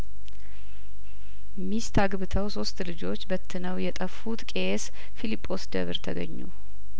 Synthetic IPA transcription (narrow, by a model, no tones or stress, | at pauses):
mist̪ʰaɡβɨt̪ʰəwso̞st̪lɨd͡ʒo̞t͡ʃːbət̪ʰːɨnəwjɛt̪ʼəfːut̪kʼe̞s | filipʼːo̞sd̪ə̰βɨɾt̪ʰəɡə̰ɲːṵ